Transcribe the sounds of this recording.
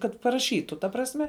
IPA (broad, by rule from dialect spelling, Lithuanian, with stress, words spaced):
kɐt pɐrɐˈʃʲiːtʊ tɐ prɐsʲˈmʲɛ